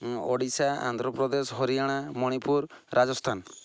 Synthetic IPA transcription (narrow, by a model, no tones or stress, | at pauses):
ɔɽisaa̰nd̪ʱɾɔpɾɔd̪esɔɦɔɾiaɽ̃amɔɽ̃ipuɾɾad͡ʒɔst̪ʰan